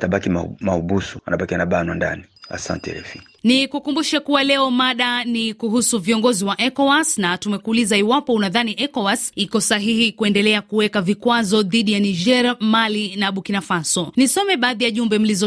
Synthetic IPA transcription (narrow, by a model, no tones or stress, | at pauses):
taɓakiamauɓusu̥a̰naɓakianaɓanwanda̰nia̰sa̰ntɛ̰ɾɛ̰fi | nikukumbuʃakuwalɛɔmaɗanikuɦusuviɔŋɡɔziwaʔɛkɔwasnatumɛkuːlizaiwapɔunaðaniʔɛkɔwasikɔsaɦihikuɛndɛlɛakuwɛkavikwazɔðiɗijaniʒɛɾmalinaɓukinafasɔnisɔmɛɓaːðijaʄumbɛm̩lizɔ